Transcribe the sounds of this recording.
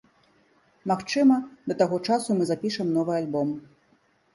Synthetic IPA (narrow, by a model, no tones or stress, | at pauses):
maxt͡ʂɨmɐd̪ɐt̪aɣɔt͡ʂasumɨzapʲiʂɐmnɔvɨalʲbɔm